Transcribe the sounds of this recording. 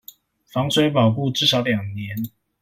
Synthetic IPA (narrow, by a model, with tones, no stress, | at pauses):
fɑ˧˥ŋswe˧˥ɪpɑ˨˩ʊku˥˨ʈ͡ʂɻ̩˥˩˨ʂɑ˨˧˥ʊljɑ˨˩ŋnjɛ˨˦n